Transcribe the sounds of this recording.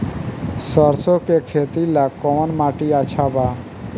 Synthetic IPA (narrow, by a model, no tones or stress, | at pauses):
sɔɾsokekʰet̪ilakɔmonmaʈiat͡ɕʰaba